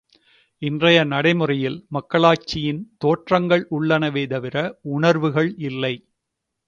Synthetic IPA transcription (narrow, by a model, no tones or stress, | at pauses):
ɪndrɐjɐnɐɽɐɪmɯrɐjɪlmɐkːɐɭaːt͡ʃːɪjɪnt̪oːʈrɐŋɡɐɭʊɭːɐnɐʋeːt̪ɐʋɪɾɐʊɳɐɾʋɯɣɐɭɪlːɐɪ